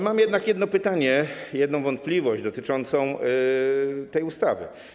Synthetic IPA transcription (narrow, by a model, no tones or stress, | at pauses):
mamjɛd̪nakjɛd̪nɔpɘt̪aɲɛjɛd̪nɔ̃w̃vɔnt̪̚plʲivɔʑd͡ʑd̪ɔt̪ɘt͡ʂɔnt̪sɔ̃w̃ | t̪ɛjust̪avɘ̰